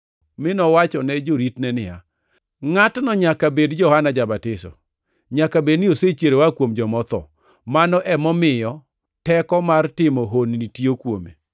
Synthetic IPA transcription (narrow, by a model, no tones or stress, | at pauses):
mɪnɔwat͡ʃɔnɛd͡ʒoɾitnɛnɪja̰ | ŋatnɔɲakabedd͡ʒɔhanad͡ʒabatɪsɔ̰ | ɲakabednɪoset͡ʃeɾewakwomd͡ʒɔmɔt̪ɔ̰ | manɔʔɛmɔmɪjɔ | tɛkɔmartɪmɔɦonnitiokwomḛ